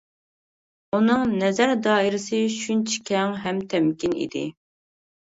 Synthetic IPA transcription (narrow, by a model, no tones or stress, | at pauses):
unɨŋnɛzæɾd̪ɑːiɾɪsɨʃunt͡ʃʰi̥kʲʰɛŋɦɛmt̪ʰɛmkʲinḭd̪ɪ̰